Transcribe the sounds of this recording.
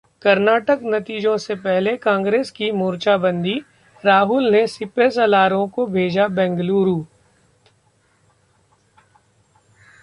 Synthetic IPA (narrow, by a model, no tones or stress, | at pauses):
kɐɾnaːʈəknɐt̪iːd͡ʒõsepɛɦlekãːŋɡɾeːskimuːɾt͡ʃabə̃nd̪i | ɾaːɦʊlnesɪpesɐlaːɾõkobʱeːd͡ʒabɛ̃ːŋɡluːɾuː